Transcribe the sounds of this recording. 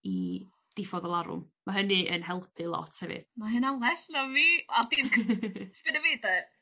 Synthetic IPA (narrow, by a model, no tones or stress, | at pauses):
i | d̥ɪfɔðɔlˠaɾʊ̰m | maɦənɨʔənɦɛlˠpʰɨlˠɔ̰tʰhɛvɨ̰ð̥maɦɨnawlɛɬnaviːadi | spɨnəvejda